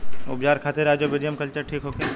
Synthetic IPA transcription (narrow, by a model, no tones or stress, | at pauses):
ʊ̰pd͡ʒaːɾkʰaːt̪eɾaːd͡ʒobɪɾijəmkɐlt͡ʃəɾʈʰiːkɦoːkeː